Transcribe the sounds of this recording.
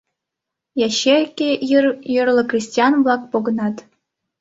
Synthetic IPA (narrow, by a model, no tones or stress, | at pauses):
jɑɕerʲkʲejɤrlʲˠɤ̆krʲisʲtʲijɑnvlˠɑk̚poɡɤ̆nɑt̪